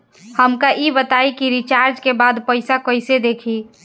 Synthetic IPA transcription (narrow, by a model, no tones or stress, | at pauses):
həmkaʔibət̪aikiɾit͡ʃaːɾd͡ʒkebaːd̪pəɪsakəɪsed̪eːkʰi